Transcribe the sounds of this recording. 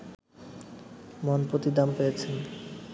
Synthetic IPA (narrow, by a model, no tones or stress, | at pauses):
monpɾot̪id̪ampejet͡ɕʰen